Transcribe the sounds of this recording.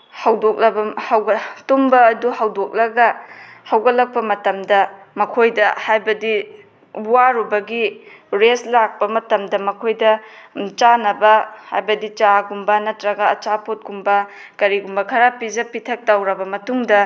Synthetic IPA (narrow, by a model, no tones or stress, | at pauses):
hɐwdok̚lɐbɐhawɡɐtumbɐːduhawdok̚lɐɡɐhawɡɐlɐk̚pɐmɐtɐmdɐ | mɐkʰojdɐhajbɐdi | buwaɾubɐɡiɾeslak̚pɐmɐtɐmdɐmɐkʰojdɐt͡ʃanɐbɐha̰jbɐdit͡ʃaɡumbɐnɐtɾɐɡɐːt͡ʃapʰot̚ɡumbɐ | kɐɾiɡumbɐkʰɐɾapid͡ʒɐpitʰɐk̚tawɾɐbɐmɐtuŋdɐ